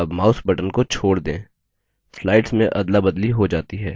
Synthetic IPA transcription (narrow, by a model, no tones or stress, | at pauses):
ɐbmaːʊsbɐʈənkot͡ʃʰoːɽd̪ẽː | slaːɪʈsmẽʔɐd̪labɐd̪liɦod͡ʒaːt̪iɦɛː